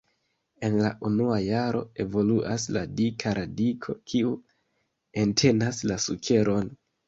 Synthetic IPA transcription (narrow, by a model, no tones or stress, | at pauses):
e̞nlaʔunuajaɾo̞̰e̞vo̞luʔasladikʰaɾadikʰo̞̰kʰiu | e̞ntʰe̞naslasukʰe̞ɾo̞n